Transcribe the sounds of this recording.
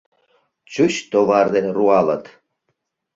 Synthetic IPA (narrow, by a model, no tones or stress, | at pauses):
t͡ɕuɕt̪oβɑrd̪eruɑlə̰t̪